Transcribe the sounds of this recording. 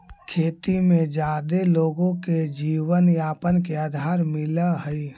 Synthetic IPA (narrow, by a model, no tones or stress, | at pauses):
kʰeːt̪imẽd͡ʒaːd̪eloːɡõked͡ʒiːwənjaːpənkeaːd̪ʱaːɾmɪləɦəi